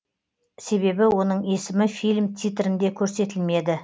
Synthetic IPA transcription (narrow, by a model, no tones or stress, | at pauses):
se̞βe̞bɪwo̞nəɴe̞sɪmɪfijlʲmt̪ʰʲijt̪ɾɪnd̪e̞kʲʰɵɾse̞t̪ɪlme̞d̪ɪ